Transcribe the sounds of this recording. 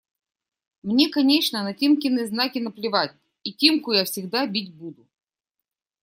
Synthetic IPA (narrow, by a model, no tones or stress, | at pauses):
mnʲekɐnʲet͡ɕnənɐtʲimkʲɪnːɨjznakʲɪnəplʲɪvatʲ | itʲimkʊjafsʲɪɡd̪abʲitʲbud̪ʊ